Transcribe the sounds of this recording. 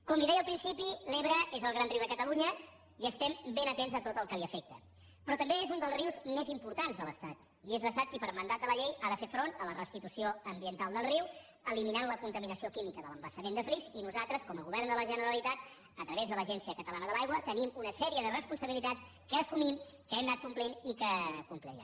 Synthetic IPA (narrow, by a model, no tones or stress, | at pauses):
kɔmliðɛjəlˠpɾinsipileβɾəezəlˠɣɾanriwðəkət̪əluɲə | iəst̪ɛmbenət̪enzət̪ot̪əlˠkəliəfɛk̚t̪ə̰ | pɾɔt̪əmbeezund̪əlˠzriwzmezimpuɾt̪anzðələ̰st̪at̪ | iezləst̪at̪̚kipəɾmənd̪at̪ələʎejaðəfefɾonələrəst̪it̪usioəmbiənt̪alˠd̪əlˠriw | əliminanləkunt̪əminəsiokimikəðələmbəsəmend̪əflikzinuzalˠt̪ɾəskɔməɣuβɛɾnd̪ələʒənəɾəlit̪at̪̚ | ət̪ɾəβezðələʒɛnsiəkət̪əlanəðəlajɣwət̪ənimunəsɛɾiəðərəspunsəβilit̪at͡ss | kəːsumim | kəɛmnat̪̚kumplenikəkumplɛ̰j̰